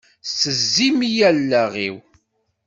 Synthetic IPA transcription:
səzːimijælːæʁḭw

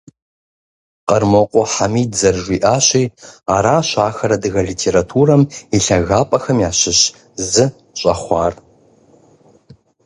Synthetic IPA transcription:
qɐrmɐqʷʼɔħamiːdzɐrʒʷiːʔaːɕiːaːɾaːɕaːxɐɾɐdɨɣɐɮitʰeːɾatʰuːrɐmiɬɐɣaːpʼɐxɐmjaːɕɪɕ | zɨ | ɕʼɐχʷɑːr

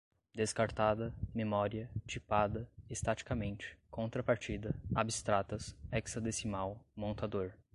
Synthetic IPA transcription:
d̪eskaɾt̪ad̪ɐmemɔɾiɐt͡ʃipad̪ɐest̪at͡ʃi̥kamẽnt͡ʃɪ̥kõnt̪ɾɐpaɾt͡ʃid̪ɐabist̪ɾat̪ɐsɛksɐd̪esimawmõnt̪ad̪oɾ

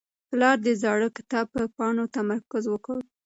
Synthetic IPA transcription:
plɑɾd̪əzɑɽəkɪ̥t̪ɑb̚pəpɑnot̪amaɾkʊzwəkəw

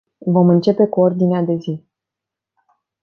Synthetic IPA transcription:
vo̞mɨnt͡ʃe̞pe̞kuo̞rd̪inead̪e̞zi

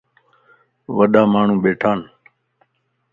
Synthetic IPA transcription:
ʋəɗaːmaːɳ̤ũːɓeːʈʰaːn

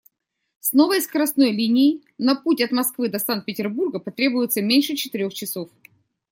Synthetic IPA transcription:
sno̞vəjskəɾɐsno̞jlʲinʲɪɪ | nɐputʲɐt̪mɐskvɨd̪ɐsant̪̚pʲɪtʲɪrburɡəpɐt̪ɾʲe̞bʊjɪt̪səmʲenʲʂɨt͡ɕɪt̪ɪɾʲo̞xt͡ɕɪso̞f

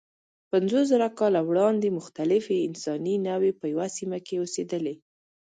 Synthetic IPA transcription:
panzos̬zaɾakɑlawɽɑnd̪emʊxt̪alɪfeɪnsɑninawepəjawasimakeosed̪əle

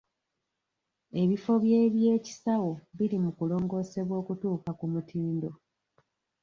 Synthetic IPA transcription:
e̞βifo̞βje̞ːβje̞ːci̥sawo̞βiɾimukulo̞ːŋɡo̞ːse̞βwo̞ːkutuːkakumutʰiːndo̞

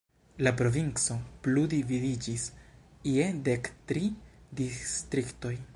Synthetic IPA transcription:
lapɾo̞vint͡so̞pludividid͡ʒis | iede̞ktɾidistɾikto̞j

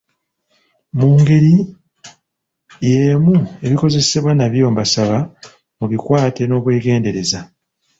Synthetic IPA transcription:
muːŋɡe̞ɾi | je̞ːmue̞βiko̞ze̞se̞βwanaβjo̞ːmbasaβa | muβikwaːte̞no̞ːβweːɡe̞ːnde̞ɾe̞za

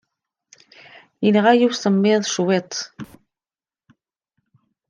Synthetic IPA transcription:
jənʁajiwsəmːɪðˤʃwet̪ˤ

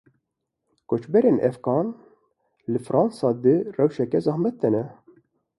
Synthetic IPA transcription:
kot͡ʃbɛɾeːnʔɛfɡɑːn | lɨfɾɑːnsɑːd̪ɨrɛwʃɛkɛzɑːhmɛt̪̚d̪ɛnɛ

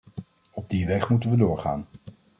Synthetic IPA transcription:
ɔb̚diʋɛχmutənʋədʊːɹχa̰ːn

